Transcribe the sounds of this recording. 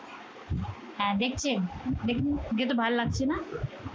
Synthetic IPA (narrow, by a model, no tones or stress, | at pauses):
ɦɛ̃d̪ek̚ʰt͡ɕʰend̪ekʰend͡ʑet̪̬obʱallaɡ̚t͡ɕʰena